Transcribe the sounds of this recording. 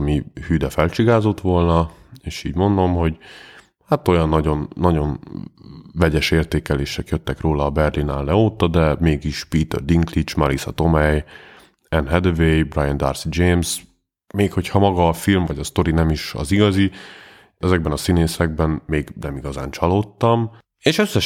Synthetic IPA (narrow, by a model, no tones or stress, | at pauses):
mihyːd̪ɛfɛlt͡ʃiɡaːzo̞t̪ʋo̞lnɒeːʃiːɟmo̞nd̪o̞mɦo̞ɟ | hat̪o̞jɒnːɒɟo̞nːɒɟo̞n | vɛɟɛʃeːrt̪eːkɛleːʃɛkjøt̪ːɛkroːlɒːbɛrlina̰ːlːɛoːt̪ɒd̪ɛmeːɡiʃpiːt̪ø̰rd̪iŋklit͡ʃmɒlisɒ̰t̪o̞mɛj | ɛnɦɛd̪øvejbrajɛnd̪a̰ːrsid͡ʒeːms | meːkho̞chɒmɒɡɒːfilmvɒɟɒst̪o̞ɾinɛmiʃɒ̰ziɡɒzi | ɛzɛɡ̚bɛnɒsineːsɛɡ̚bɛnmeːɡnɛmiɡɒza̰ːnt͡ʃɒloːt̪ːɒm | eːʃøsːɛʃ